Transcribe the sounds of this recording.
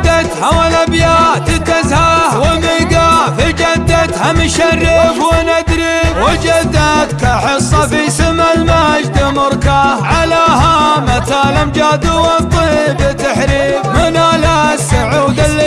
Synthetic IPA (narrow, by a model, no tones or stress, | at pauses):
d̪at̪ħawalabjaːt̪ɪt̪ːazhahwɪmɪɡafid͡ʒad̪ːad̪hamɪʃarːɪfwɪnad̪ɾiwɪd͡ʒad̪ːad̪kaħɨsˤːɑfisɪmːalmad͡ʒd̪ɪmʊɾkaʕalahamat̪aːlamd͡ʒad̪ʊwɑt̪ˤːibɪt̪ːaħɾiːfmɪnalasːaʕuːd̪al